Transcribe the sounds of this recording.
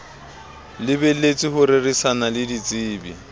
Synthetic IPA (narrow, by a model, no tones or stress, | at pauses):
lɪbɛlet͡sʼɪhʊrerisanalɪdit͡sʼiːbi